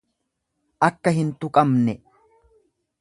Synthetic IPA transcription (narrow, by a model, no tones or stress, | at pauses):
ʔɐkːɐɦɪnt̪ʊkʼɐmnɛ